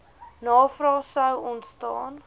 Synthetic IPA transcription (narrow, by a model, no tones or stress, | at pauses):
nɑːfrɑːsəwɔntstɑ̰ːn